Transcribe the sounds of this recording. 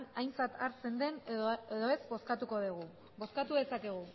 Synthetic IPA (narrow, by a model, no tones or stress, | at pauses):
najnt͡sat̪aɾt͡se̞nd̪e̞neðo̞e̞zbo̞skat̪uko̞ðiɣ̞u | bo̞skat̪uðe̞sakeɣ̞u